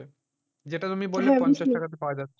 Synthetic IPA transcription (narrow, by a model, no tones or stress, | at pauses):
e | d͡ʑeʈat̪umibolːɦɛ̃pɔnit͡ɕaakat̪̬epaoad͡ʑatːʰ